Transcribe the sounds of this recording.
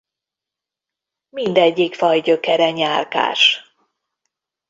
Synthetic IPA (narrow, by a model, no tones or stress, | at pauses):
mind̪ɛɟːikfɒjɟøkɛɾɛɲaːlka̰ːʃ